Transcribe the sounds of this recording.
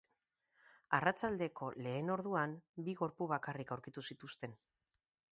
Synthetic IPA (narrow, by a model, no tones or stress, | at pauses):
arat͡ʃald̪e̞ko̞le̞ːno̞ɾðuambiɣo̞ɾpuβ̞akarikawɾkit̪usit̪ust̪e̞n